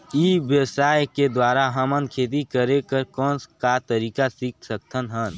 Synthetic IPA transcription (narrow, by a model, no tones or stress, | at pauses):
ibjəsaːjked̪waːɾaɦəmənkʰeːt̪̬ikəɾekəɾkɔ̃ːnskat̪əɾiːkasik̚ʰsək̚t̪ʰənɦən